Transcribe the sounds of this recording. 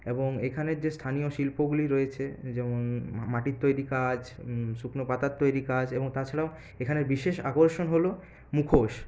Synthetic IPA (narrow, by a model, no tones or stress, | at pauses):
eboŋekʰaneɾd͡ʑest̪ʰanijoʃilpoɡuliɾoet͡ɕʰed͡ʑɛmonmaʈit̪t̪ːojɾikad͡ʑʃuknopat̪at̪t̪ːojɾikad͡ʑeboŋt̪at͡ɕʰaɽao | ekʰaneɾbiʃeʃa̰koɾʃonɦolo | mukʰoʃ